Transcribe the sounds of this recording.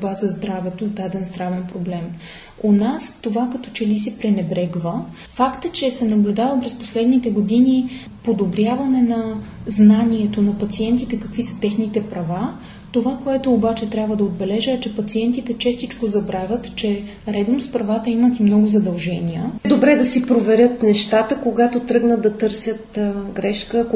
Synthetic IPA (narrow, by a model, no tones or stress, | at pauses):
bazɐzd̪ɾavɛt̪ozd̪ad̪ɛnzd̪ɾavɛnpɾoblɛm | onast̪ovakɐt̪ɔ̥t͡ʃɛlisɛpɾɛnɛbɾɛɡvə | fakt̪ət͡ʃɛsɛnɐblʲud̪avəpɾɛspo̥slɛd̪nit̪ɛɡod̪ini | pod̪obɾʲjavɐnɛnɐznaniɛt̪onɐpɐt̪siɛnt̪it̪ɛkɐkvisə̥t̪ɛxnit̪ɛpɾɐva | t̪ovakoɛt̪oːbat͡ʃɛt̪ɾʲjabvəd̪ɐod̪̚bɛlɛʒəɛt͡ʃɛpɐt̪siɛnt̪it̪ɛt͡ʃɛst̪it͡ʃkozɐbɾavʲət̪t͡ʃɛ | ɾɛd̪nospɾɐvat̪əimət̪imnɔɡʊzɐd̪ɐlˠʒɛniəd̪obɾɛd̪ɐsipɾovɛɾʲjət̪nɛʃt̪at̪əkoɡat̪ot̪ɾɤɡnəd̪ɐt̪ɤɾsʲjət̪ɡɾɛʃkə